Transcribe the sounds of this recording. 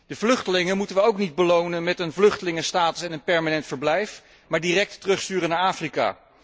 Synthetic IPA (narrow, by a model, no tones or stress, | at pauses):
d̥əvlɵχtəlɪŋəmutənʋəowknid̚bəlownənmɛtənvlɵχtəlɪŋəstaːtəsɛnənpɛɹmanɛntfəɹblɛjf | maːɹdiːrɛk̚tːrɵχstyːrənaːɹaːfrika̰ː